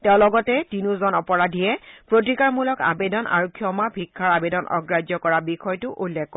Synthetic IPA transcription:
tɛʊ̃lɔɡɔtɛtinuzɔnɔpɔɹadʱijɛpɹot̬ikaɹmulɔka̰bedɔnʔa̰ɹokʰːiɔɔmabʱikʰːaɹabedɔnʔɔ̰ɡɹazjɔkɔɹabixɔjtʊʔulːɛkːɔ

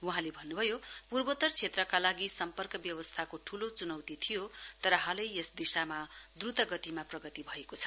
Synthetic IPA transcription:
uɦãlebʱʌnːubʱʌjopurbʌt̪ʌrt͡sʰet̪rʌkalaɡisʌmpʌrkʌbjʌwʌst̪ʰakoʈʰulot͡sunʌwt̪it̪ʰijot̪ʌɾʌɦʌlʌjesd̪isamad̪rut̪ʌɡʌt̪imaprʌɡʌt̪ibʱʌekot͡sʰʌ̥

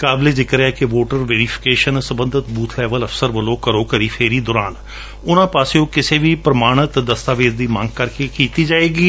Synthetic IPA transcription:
kaːbleːd͡ʒɪkɾɛːkɪʋoːʈəɾʋeːɾipʰɪ̥keːʃənsəbə̃nd̪ʱət̪buːt̪ʰlɛːʋələfsəɾʋəloːkəɾoːkəɾiːpʰeːɾiːd̪ɔːɾaːn | ʊnãːpaːsejõːkɪseːʋiːpɾəmaːɽ̃ət̪d̪əst̪aːʋeːd͡ʒd̪iːmãŋɡ̚kəɾkeːkiːt̪iːd͡ʒaːeːɡiː

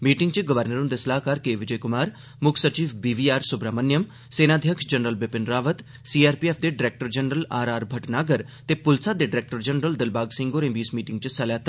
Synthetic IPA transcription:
miːʈɪŋɡt͡ʃəɡəʋəɾnəɾʊ̃nd̪eːsəlaːɦkaːɾkeːʋɪd͡ʒəːkʊmaːɾ | mʊkʰsət͡ʃiːʋbiːʋiːaːɾsʊbɾaːmənjəm | seːnaːd̪ʱjəkʃd͡ʒənɾəlbɪpɪnɾaːʋət̪ | siːaːɾpiɛːpʰd̪eːɖɪɾɛːk̚ʈəɾd͡ʒənɾəlaːɾaːɾbʱəʈnaːɡəɾ | t̪eːpʊlsaːd̪eːɖɪɾɛːk̚ʈəɾd͡ʒənɾəld̪ɪlbaːɡsɪ̃ŋɡoːɾẽːbiːsmiːʈɪ̃ŋɡ̚t͡ʃsəlɛːt̪

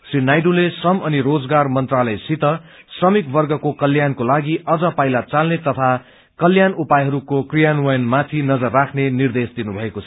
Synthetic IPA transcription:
srinajɖulesʌmʌniɾod͡zɡarmʌnt̪ralʌjsit̪ʌ | srʌmikbʌrɡʌkokʌljankolaɡiʌd͡zʌpajlat͡salnet̪ʌt̪ʰa | kʌljanupajɦʌɾukokrijanwʌjʌnmãt̪ʰinʌd͡zʌrːakʰnenird̪esd̪inubʱʌekot͡sʰʌ

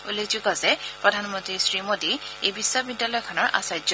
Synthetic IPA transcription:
ulezuɡazɛpɹɔdʱanmɔntɹisɹimodiejbisːabidːalɔjkʰɔnɔɹʔa̰sajzɔ

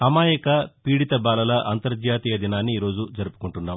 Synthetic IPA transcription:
ɐmaːjɐkɐpiːɽit̪ɐbaːlɐlɐʔɐnt̪ɐɾd͡ʒ̪jaːt̪iːjɐd̪inaːnːiːɾo̞ːd͡ʒud͡ʒɐɾupu̥kuɳʈunːaːm

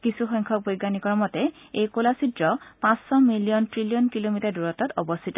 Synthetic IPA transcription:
kisuxɔŋkʰɔk̚bojɡanikɔɹmɔtɛejkolasidɹɔpãsːɔmilijɔntɹilijɔnkilomitaɹduɹɔtɔtɔbɔstʰitɔ

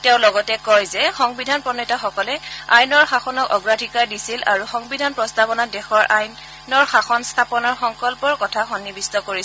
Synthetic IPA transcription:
teʊ̃lɔɡɔtɛkɔjzɛxɔŋbidʱanpɔnɔtaxɔkɔlɛajnɔɹxaxɔnɔkɔɡɹadʱikaɹdisila̰ɹuxɔŋbidʱanpɹɔstabɔnadɛxɔɹʔaj | nɔɹxaxɔnstʰapɔnɔɹxɔŋkɔlpɔɹkɔtʰaxɔnːibistɔkoɹis

